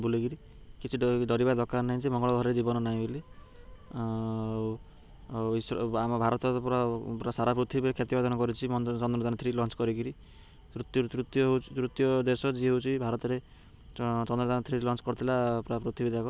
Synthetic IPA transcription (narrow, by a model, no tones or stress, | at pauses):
buliɡiɾi | kit͡ʃʰiɖɖɔɾibad̪ɔkannːaɦĩd͡ʒemɔŋɡɔɭɔɡʱɔɾɾed͡ʒibɔnɔnaĩbili | isɾamɔbʱaɾɔt̪ɔpɾɔpɾasaɾapɾut̪ʰibikʰet̪ibad̪ɔnɔkɔɾit͡ʃʰimɔnt͡ʃɔnd̪ɾɔd͡ʒanɔt̪ʰɾilɔnt͡ʃkɔɾiɡiɾi | t̪ɾut̪t̪ɾut̪jɔɦt̪ɾut̪jɔd̪esɔd͡ʒiɦowt͡ʃʰibʱaɾɔt̪ɔɾe | t͡ʃɔnd̪ɾɔd͡ʒanɔt̪ʰɾilɔnt͡ʃkɔɾɔt̪ʰilapɾapɾut̪ʰibid̪ʱakɔ